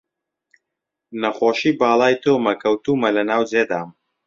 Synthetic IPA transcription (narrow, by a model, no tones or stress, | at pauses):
nɐχoːʃiːbaːlˠaːjt̪oːmɐkʰɐwt̪uːmɐlɐnaːwd͡zeːd̪aːm